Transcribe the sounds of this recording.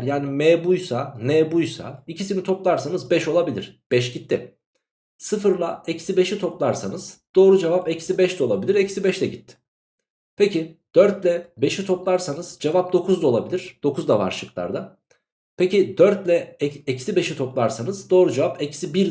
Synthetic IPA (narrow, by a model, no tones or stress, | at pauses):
ɾjaːnimɛːbujsanɛːbujsa̰icʰisimit̪ʰo̞plˠaɾsanɯzbɛʃo̞lˠabilʲiɾ̥b̥ɛʃɟit̪ʰːḭ | sɯfɯɾlˠaecsibe̞ʃit̪ʰo̞plˠaɾsanɯz̥d̪̥o̞ːɾud͡ʒevapecsibɛʃt̪ɛo̞lˠabilʲiɾecisibɛʃt̪ɛɟit̪ʰːɪ̥ | pʰecid̪̥øɾt̪lʲɛbe̞ʃit̪ʰo̞plˠaɾsanɯz̥d͡ʒevap̚d̪o̞kʰuzd̪aolˠabilʲiɾ̥d̪̥o̞kʰuzd̪ava̰ɾʃɯklˠa̰ɾd̪a | pʰecid̪̥øɾt̪lʲɛecsibe̞ʃit̪ʰo̞plˠaɾsanɯzd̪o̞ːɾud͡ʒevapecʰsibiɾ